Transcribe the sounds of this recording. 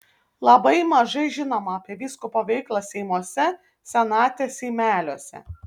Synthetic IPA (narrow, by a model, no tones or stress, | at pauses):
lˠɐbɐɪmɐʒɐɪʒʲɪnoːmɐɐpʲiɛʋʲiːskopɐʋʲɛɪklˠɐsʲɛɪmuɔsʲɛ | sʲɛnɑːt̪ʲɛsʲɛɪmʲæːlʲoɔsʲɛ̰